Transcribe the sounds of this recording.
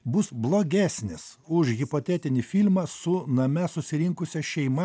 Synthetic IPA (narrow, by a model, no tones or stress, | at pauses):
bʊsblˠoːɡʲæːsʲnʲɪs | ʊʃɣʲɪpot̪ʲɛt̪ʲɪnʲɪfʲilʲmɐsʊnɐmʲɛsʊsʲɪɾʲɪŋkʊsʲɛʃʲɛɪmɐ